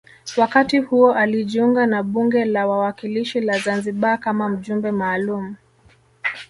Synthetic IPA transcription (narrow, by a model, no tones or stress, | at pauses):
wakatihuɔʔaliʄiuŋɡanaɓuŋɡɛlawawakiliʃilazanziɓakamam̩ʄumbɛmaːlumu